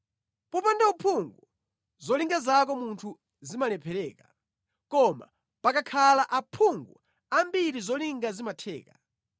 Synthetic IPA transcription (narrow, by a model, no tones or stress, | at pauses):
pɔpandaupʰuŋɡu | zɔliŋɡazak̬ɔmuntʰu | zimalɛpʰɛɾɛːka | kɔma̰ | pakakʰalaʔapʰuŋɡṵ | ambiɾizɔliŋɡazimatʰɛ̰ːka